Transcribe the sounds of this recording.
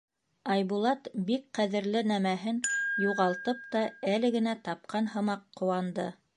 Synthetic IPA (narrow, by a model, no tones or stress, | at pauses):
ɑjbulˠɑt̪bik̚qæðɘ̆ɾlɘnæmæɦɘnjuʁɑlˠt̪ɤp̚t̪ɑælɘ̆ɡɘ̆næt̪ɑp̚qʰɑnhɤ̆mɑqːŏwɑnd̪ɤ̰